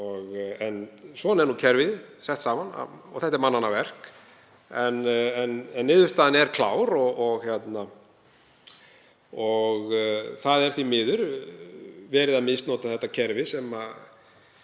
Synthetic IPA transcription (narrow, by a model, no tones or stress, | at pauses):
ɔɣɛnsvɔːnɛɾnucʰɛɾvɪðɪsɛht̪saːmana̰ɔ̰ɣθɛht̪ɛɾmanːanːavɛr̥k | ɛnɛnɛnːɪːðʏst̪aːðanɛɾkʰla̰ːwɾɔɔɣçjɛt̪na | ɔɣθaðɛɾ̥θvimɪːðʏɾ | vɛːɾɪðamɪst̪nɔːt̪aθɛht̪ːacʰɛɾvɪsɛma